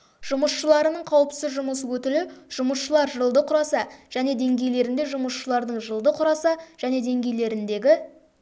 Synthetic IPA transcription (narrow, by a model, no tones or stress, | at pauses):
ʒ̥ʊməsʃəlˠɑɾənəɴqʰɑwəpt̪ɪzʒʊməs̬əwɵt̪ɪlɪʒ̥ʊməsʃəlˠɑɾʒəlˠd̪əqʰʊɾɑsɑʒ̥æne̞d̪e̞ŋɡʲe̞jle̞ɾɪnd̪e̞ʒʊməsʃəlˠɑɾd̪əɴʒəlˠd̪əqʰʊɾɑsɑʒ̥æne̞d̪e̞ŋɡʲe̞jle̞ɾɪnd̪e̞ɡʲɪ